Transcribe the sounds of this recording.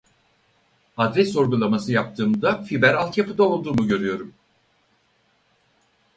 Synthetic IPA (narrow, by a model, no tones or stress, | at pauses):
ad̪ɾɛsːo̞ɾɡulˠamasɯjap̚t̪ʰɯːmd̪afibæɾalˠt̪japʰɯd̪ao̞lˠd̪uːmuɟø̞ɾyjo̞ɾum